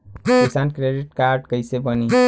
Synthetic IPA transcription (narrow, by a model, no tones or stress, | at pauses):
kisankɾeɖiʈkaɾɖkəjsebəni